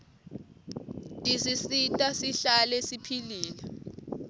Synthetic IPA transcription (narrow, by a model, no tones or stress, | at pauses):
tʼisisitʼasiɬalesipʰiliːla